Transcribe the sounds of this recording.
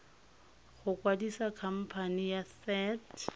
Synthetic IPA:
χʊkwadisakʰam̩pʰanijasɛt

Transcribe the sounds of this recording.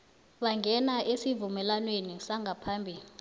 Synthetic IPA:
ɓaŋɡʱɛnaʔesivumɛlanwenisaŋɡʱapʰambʱiːli

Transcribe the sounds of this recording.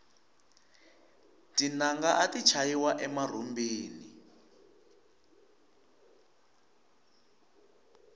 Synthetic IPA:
tinaŋɡaʔatit͡ʃʰajiwaʔɛmar̤umbiːni

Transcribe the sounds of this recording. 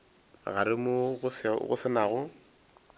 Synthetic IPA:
ɣaɾɪmʊɣʊsɣʊ̰sɪnaːɣʊ

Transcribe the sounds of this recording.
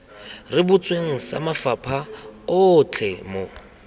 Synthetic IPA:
rɪbʊt͡sʼweŋ̩sa̰mafapʰaʊt͡ɬʰɛmo

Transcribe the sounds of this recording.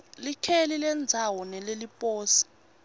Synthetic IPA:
likʰelilɛnd͡zʱawɔnɛlelipʼoːsi̥

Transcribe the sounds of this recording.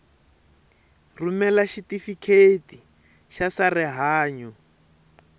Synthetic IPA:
rumɛlaʃitifikʰeti | ʃasarɛɦaːɲɔ

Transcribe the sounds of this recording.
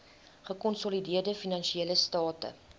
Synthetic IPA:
χəkɔnsɔlidiərdəfinɐnʃieːləstɑːtə̰

